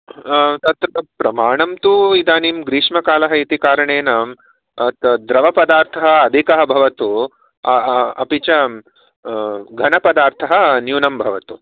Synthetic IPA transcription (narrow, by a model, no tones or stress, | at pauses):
t̪ɐt̪ɾɐd̪ɐpɾɐmaːɳɐmt̪uid̪aːniːmɡɾiːʂmɐkaːlɐɦɐit̪ikaːɾɐɳeːnaːm | ɐt̪d̪ɾɐʋɐpɐd̪aːɾt̪ʰɐɦɐɐd̪ʱikɐɦɐ̆bʱɐʋɐt̪u | ɐɐ̰pit͡ʃɐ | ɡʱɐnɐpɐd̪aːɾt̪ʰɐɦɐ̆njuːnɐmbʱɐʋɐt̪u